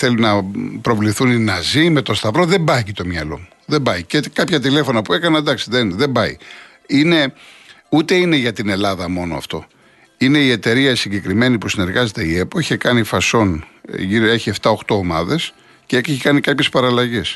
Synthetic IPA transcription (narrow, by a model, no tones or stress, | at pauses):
θe̞lunɐpɾo̞vliθuninɐzime̞t̪o̞st̪ɐvɾo̞ðe̞mbɐcit̪o̞mɲɐlo̞̰muðebɐjcekɐpçɐt̪ile̞fo̞nɐpue̞kɐnɐd̪ɐksiðenðe̞mbɐi | ine̞ | ut̪e̞ine̞ʝɐt̪ine̞lɐðɐmo̞no̞̰ɐ̰ft̪o̞̰ | ine̞ie̞t̪e̞ɾiɐsiɲɟe̞kɾime̞nipusine̞ɾɣɐze̞t̪eie̞poiçekɐnifɐso̞nʝiɾe̞çie̞ft̪ɐoxt̪o̞omɐðe̞s | ceeçekɐnikɐpçe̞spɐɾɐlɐʝe̞s